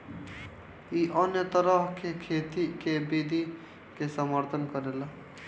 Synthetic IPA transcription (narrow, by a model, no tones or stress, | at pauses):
iʔənjət̪əɾəɦkekʰet̪ikebid̪ʱi | kesəməɾt̪ʰənkəɾel